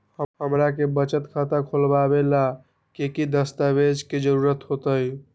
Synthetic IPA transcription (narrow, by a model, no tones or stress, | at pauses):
həɦəmɾakebət͡ʃət̪kʰat̪əɾkʰolbabela | kekid̪əst̪abed͡ʒked͡ʒəɾuɾət̪ɦot̪əj